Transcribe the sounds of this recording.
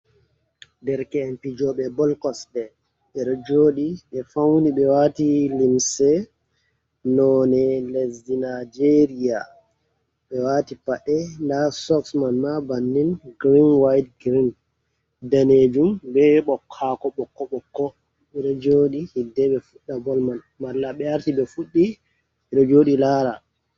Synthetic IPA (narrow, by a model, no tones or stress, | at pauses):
dɛɾkɛɛmpid͡ʒɔɓɛbɔlkɔsɗɛ | ɓɛɾɔd͡ʒoːɗiɓɛfawniɓɛwatilimsɛ | nɔnɛlezinad͡ʒeɾia | ɓɛwatipaɗɛndasɔksmanmabanːinɡɾinwajtɡɾin | daned͡ʒumbɛɓɔkʰːakɔɓɔkːɔɓɔkːɔ | ɛɾɔd͡ʒoːɗihidːɛɓɛfuɗːabɔlman | malːaɓɛaɾtiɓɛfuɗːi | ɛɗɔd͡ʒoːɗilaːɾa